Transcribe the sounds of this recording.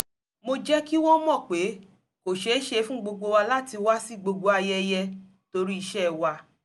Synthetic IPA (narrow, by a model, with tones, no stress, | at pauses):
mo˧d͡ʒɛ˦ki˦wɔ̃˦mɔ̃˦˨k͡pe˨˦ | ko˨ʃe˨˦ʃe˧fũ˦ɡ͡bo˧ɡ͡bo˧wa˧la˦ti˧wa˦si˦ɡ͡bo˧ɡ͡bo˧a˧jɛ˧jɛ˧ | to˧ɾi˦i˧ʃɛ˦˨wa˧